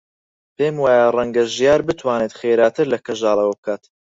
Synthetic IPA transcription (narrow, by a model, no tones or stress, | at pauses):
peːmwaːjarɐŋɡɐʒjaːɾbɨt̪ʰwaːneːt̪xejɾaːt̪ʰɨɾlɐkʰɐʒɑːlˠɐwɐb̚kʰaːt̪